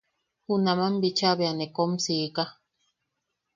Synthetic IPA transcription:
hunamambit͡ʃaβeanekomsika

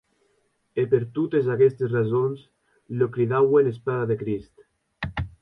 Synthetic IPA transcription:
epeɾt̪ut̪ezakɛst̪esrazons | lokɾiðawelespaðaðekɾist̪

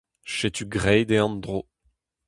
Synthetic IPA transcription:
ʃet̪ʰyɡʁɛjd̪eɑ̃nd̪ʁo

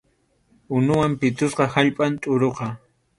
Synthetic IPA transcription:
ʊnʊwampɪt̪ʊsqɑhaʎpʼant̪ʼʊɾoqɑ

